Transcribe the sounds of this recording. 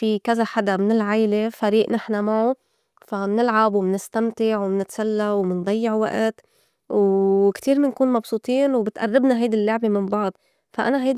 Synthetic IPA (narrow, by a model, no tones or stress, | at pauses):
fikazaħad̪amɪnɪlʕajlefaɾiːʔnɪħnamaʕu | famnɪlʕabwɪmnɪst̪amt̪ɪʕwmnɪt̪salːawmɪnd̪ˤɑjːɪʕwa̰ʔt̪ | wkt̪iːɾmɪnkuːnmɑbsˤuːt̪ˤiːnwbɪt̪ʔa̰rːɪbnaɦajd̪ilːʊʕbemɪmbɑʕd̪ˤ | faʔa̰naɦajd̪